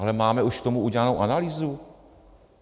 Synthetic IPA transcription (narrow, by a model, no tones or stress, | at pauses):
alɛmaːmɛuʃkt̪o̞muʔuɟɛlanowʔanaliːzu